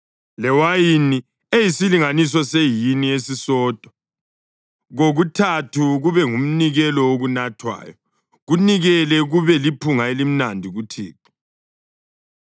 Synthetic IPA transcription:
lɛwajini | ejisiliŋanisɔsejiniesisɔːtʼɔ̥ | ɣoɣutʰatʰuɣuβɛŋum̩niɣɛlɔoɣunatʰwa̰ːjɔ | ɣuniɣɛlɛɣuβɛlipʰuŋaelim̩nandʱiɣutʰḭːpʰi̥

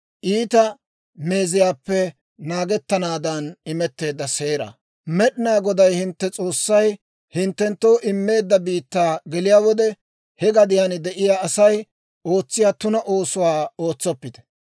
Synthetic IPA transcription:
ʔiːt̪ɐ | me̞ːzɪjaːpːɛ | naːɡɛt̪ːɐnaːd̪ɐnɪmɛt̪ːe̞ːd̪ːɐseːɾɐ̰ | mɛɗɪnaːɡɔd̪ɐjhɪnt̪ːɛt͡sʼo̞ːsːɐj | hɪnt̪ːɛnt̪ːo̞ːʔɪmːe̞ːd̪ːɐbiːt̪ːaːɡɛlɪjaːwɔd̪ɛ | hɛɡɐd̪ɪjaːnɪd̪ɛʔɪjaːsɐj | o̞ːt͡sːɪjaːt̪ʊnɐʔo̞ːsʊwaːo̞ːt͡sːɔpːɪt̪ɛ̥

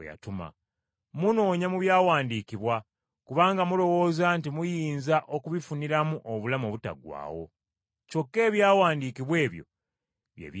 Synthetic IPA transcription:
ja̰tuma̰ | muno̞ːɲamuβjaːwaːndikiβwa | kuβaːŋɡamulo̞wo̞ːzantimujiːnzaʔo̞kuβifuniɾamuʔoβulamoβuta̰ɡwa̰ːwo̞̰ | co̞kːe̞ːβjaːwaːndiːkiβwe̞ːβjo̞̰ | βjḛβ

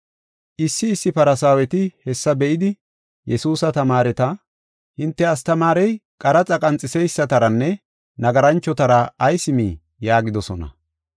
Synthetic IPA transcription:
ʔɪsːɪːsːɪpɐɾɐsaːwɛt̪ɪhɛsːɐbɛʔɪd̪ɪ | jɛsuːsɐt̪ɐmaːɾɛt̪ɐ | hɪnt̪ːɛɐst̪ɐmaːɾɛjkʼɐɾɐt͡sʼɐkʼɐnt͡sʼːɪsɛjsːɐt̪ɐɾɐnːɛ | nɐɡɐɾɐnt͡ʃːɔt̪ɐɾɐːjsɪmiː | jaːɡɪd̪ɔsɔnɐ̰

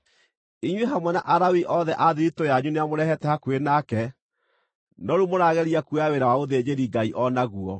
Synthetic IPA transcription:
iɲweɦamwɛnaʔaɾawiʔɔðɛʔaðiɾitojaɲuneamoɾɛhɛtɛhakwenakɛ | nɔɾumoɾaɣɛɾiakueaweɾawaoðed͡ʑeɾiɡaiʔɔnaɣuɔ

